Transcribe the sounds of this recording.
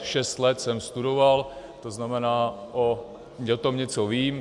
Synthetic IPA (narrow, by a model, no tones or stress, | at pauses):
ʃɛst̪lɛt̪sɛmst̪udovalt̪oznamɛnaːʔo | ɲɛt̪omɲɛt͡soviːm